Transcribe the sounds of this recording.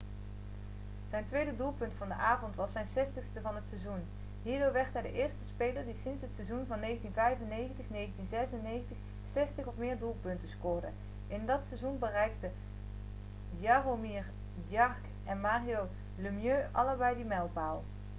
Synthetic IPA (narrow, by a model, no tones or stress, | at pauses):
z̥ɛjntʋejdədulˠpɵntfɑndəʔaːvɔntʋɑsːɛjnsɛstəxstəvɑnɦətsɛzun | ɦiːɹdoːɹʋɛɹtɦɛjdəʔɪːɹstəspejləɹdisɪnsɦətsɛzunvɑnːejχəntinvɛjvənːejχəntəχnejχəntinzɛsənːejxəntəx | sɛstəχɔpmɪːɹdulˠpɵntəskʊːɹdə | ʔɪndɑtsɛzunbərɛjk̚tə | jaromiːɹ | djɑɹk | ɛnmaːrijo | ləmjøːʔɑləɹbɛjdimɛlˠbaːlˠ